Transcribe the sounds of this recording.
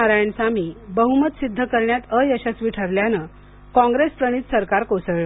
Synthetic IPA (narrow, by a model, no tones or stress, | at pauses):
aɾajɳsamiːbəɦumət̪sid̪ʱːəkəɾɳjat̪əjəɕat͡sʋiʈʰəɾljanə | kɔ̃ŋɡɾespɾəɽ̃iːt̪səɾkaɾkosəʋɭ